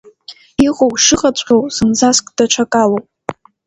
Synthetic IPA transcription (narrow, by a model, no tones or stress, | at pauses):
iʁʼowʂɨqʼat͡ɕʷʼqʲowz̥ɨnzaskʼd̥at͡ʃʷʰakʼalowpʼ